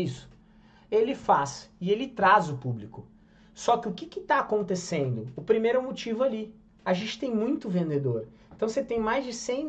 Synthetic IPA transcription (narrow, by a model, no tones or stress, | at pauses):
isʊ̥ | elɪfasɪelɪt̪ɾazʊpublikʊ | sɔkɪʊkɪkɪt̪aːkõnt̪esẽnd̪ʊʊpɾimejɾɛ̃mot͡ʃivʊali | aʒẽnt͡ʃɪ̥t̪ẽj̃mũj̃t̪ʊvẽnd̪ed̪oɾẽnt̪ɐ̃w̃set̪ẽj̃majzd͡ʒɪsẽj̃